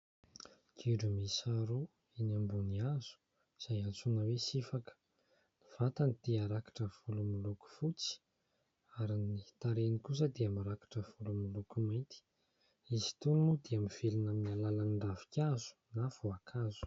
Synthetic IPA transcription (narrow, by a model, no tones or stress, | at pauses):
ɡiɖ͡ʐumisaɾu | inambuniaz̥u̥ | z̥ajant͡sunəwesifakə̥ | niv̥at̪anit̪iaɾakḁʈ͡ʂəv̥ulumiluku̥fut͡si̥ | aɾinit̪aɾenikus̬əd̪eamaɾakḁʈ͡ʂəv̥ulumilukumajnt̪i̥ | izi̥t̪unnud̪eamiv̥elinaminialalaniɳɖ͡ʐavi̥kʲazu̥navuakʰazu̥